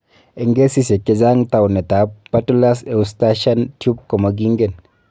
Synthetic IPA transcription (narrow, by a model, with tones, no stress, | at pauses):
e˨ŋɡe˦si˦se˨kːe˨za˦ŋt̪a˨wne˨t̪a˨pːa˦tu˦la˦se˨usta˦ʃa˦ntju˦b̚kɔ˨maɡi˦ŋɡe˦˨n